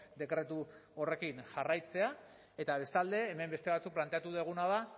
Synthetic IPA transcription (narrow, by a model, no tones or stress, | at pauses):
d̪e̞kɾe̞t̪uo̞re̞kinʝarajt͡se̞a | e̞t̪aβ̞e̞st̪ald̪e̞ːme̞mbe̞st̪eβ̞at͡suk̚plant̪eat̪uðeɣ̞unaða